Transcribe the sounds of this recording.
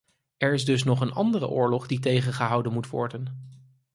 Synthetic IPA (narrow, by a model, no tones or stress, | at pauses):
ɛɹɪzdɵs̬nɔχənʔɑndərə̰ʔʊːɹlɔχdit̬ejχənχəɦɑwdənmutʋɔ̰ɹdən